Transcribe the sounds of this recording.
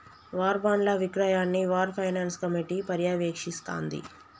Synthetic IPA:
ʋaːɾbaːnlɐʋikɾajaːnːiʋaːɾpʰɐjnaːnskɐmiʈiːpɐɾjaːʋeːkʂist̪a̰ːnd̪ḭ

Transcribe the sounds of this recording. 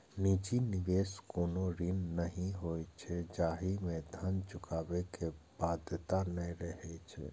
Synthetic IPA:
nit͡ʃinɪʋeːskoːnoɾinnəɦĩɦojt͡ʃʰɛd͡ʒaːɦimẽd̪ʱənt͡ʃʊkaːbekebaːd̪ʱt̪anɛɾəɦɛt͡ʃʰɛ̰

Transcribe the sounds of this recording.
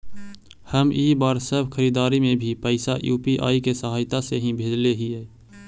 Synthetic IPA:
həmiːbaːɾsəbʱkʰəɾiːd̪aːɾimẽbʱipəɪsajṵːpiʔa̰ːikesəɦaːjt̪aseɦĩbʱeːd͡ʒleɦiɦɛː

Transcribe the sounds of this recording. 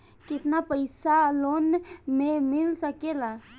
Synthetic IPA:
kɪt̪napəjsalonmẽmɪlsəkela

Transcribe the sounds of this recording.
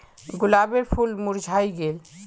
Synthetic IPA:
ɡulabeɾpʰulmuɾd͡ʒʱajɡel

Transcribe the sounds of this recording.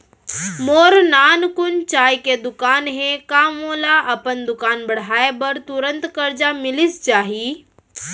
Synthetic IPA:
moːɾnaːnkʊnt͡ʃaːjked̪ʊkaːnɦɛ̃kaːmoːlaʔɐpənd̪ʊkaːnbɐɽ̤aːebɐɾt̪ʊɾə̃nt̪kɐɾd͡ʒamɪlɪst͡ʃaːɦi

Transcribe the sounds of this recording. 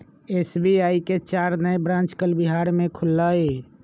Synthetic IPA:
esbiaiket͡ʃaɾnəjbɾãnt͡ʃkəlbiɦaɾmẽkʰulːəe

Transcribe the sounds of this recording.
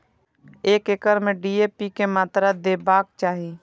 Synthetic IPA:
eːkɪkəɾmẽɖiːeːpikemaːt̪ɾad̪eːbaːk̚t͡ʃaːɦi

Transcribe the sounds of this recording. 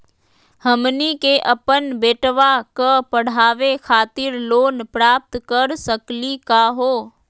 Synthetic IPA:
həmnikeʔəpənbeːʈʋakəpəɽ̤aːʋekʰaːt̪ɪɾloːnpɾaːp̚t̪kəɾsəklikaɦoː

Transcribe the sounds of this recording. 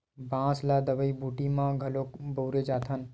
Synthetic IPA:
bãːslaːd̪əʋəibuːʈimãɡʱɐlokbəwɾed͡ʒaːt̪ʰən

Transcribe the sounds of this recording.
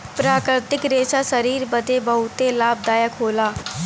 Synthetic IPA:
pɾaːkɾɪt̪ɪkɾeːsasəɾiːɾbəd̪ebəɦʊt̪elaːb̚d̪aːjəkʰɦoːlaː

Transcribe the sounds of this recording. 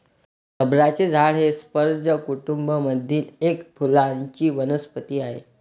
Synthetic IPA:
kəbɾat͡ɕed͡zʱaɭɦespəɾd͡ʑəkuʈumbəməd̪ʱiːlekpʰulaɲt͡ɕiːʋənəspət̪iːaɦḛ

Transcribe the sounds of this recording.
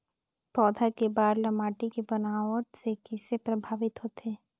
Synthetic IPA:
pɔːd̪ʱakebaːɾlɐmaːʈikebɐnaːʋəʈsekɪsepɾɐbʱaːʋɪt̪ɦoːt̪ʰeː

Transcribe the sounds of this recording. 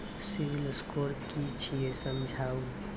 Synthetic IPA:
siwilskoɾkit͡ʃʰijesəmd͡ʒʱaːw

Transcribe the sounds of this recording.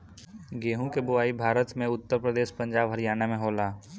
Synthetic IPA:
ɡeːɦũkebʊaːibʱaːɾət̪mẽʊt̪ːəɾpɾəd̪eːʃpə̃ɲd͡ʒaːbɦɐɾijaːnemẽɦoːlaː

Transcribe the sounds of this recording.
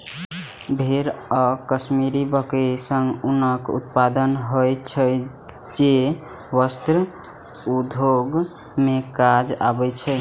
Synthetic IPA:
bʱeɾɔkəsmiɾibəkesəŋɡunəkṵt̪pad̪ənɦojt͡ʃʰə | d͡ʒe | wəst̪ɾ | ud̪ʱoɡ | mekad͡ʒa̰bət͡ʃʰəj

